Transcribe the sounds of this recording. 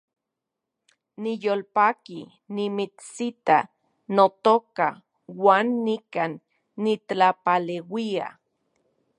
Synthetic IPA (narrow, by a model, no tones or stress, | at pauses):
nijolpaːki | nimit͡ssit̪a̰ | not̪oka | waːnːikanː | itlapalewia̰